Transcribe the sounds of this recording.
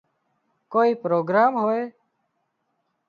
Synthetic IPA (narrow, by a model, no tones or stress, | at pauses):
koːiːpɾoːɡɾaːmɦoːeː